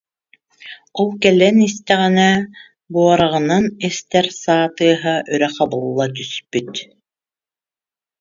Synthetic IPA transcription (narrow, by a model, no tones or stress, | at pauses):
ɔlˠkɛlɛnist̪ɛʁinɛ | buɔɾaʁɯ̆nanɛst̪ɛɾsaːt̪ɯːɦaʔœɾɛqabɯlˠːat̪̬yspyt̪